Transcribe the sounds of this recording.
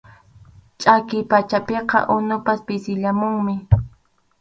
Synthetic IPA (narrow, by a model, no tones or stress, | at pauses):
t͡ʃʼakɪjpat͡ʃapeqɑ̰ʔʊnʊpaspɪsɪʎamʊŋmɪ